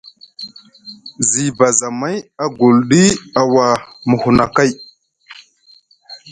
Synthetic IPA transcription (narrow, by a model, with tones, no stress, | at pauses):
zi˨ba˨za˨ma˦ja˨ɡu˨lɗi˦a˨wa˨mə˨hu˨na˨ka˦˨j